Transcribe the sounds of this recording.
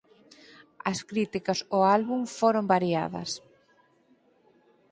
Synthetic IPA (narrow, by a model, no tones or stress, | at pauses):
ɐskɾit̪ikɐsoalβumfoɾombaɾia̰ðɐ̰s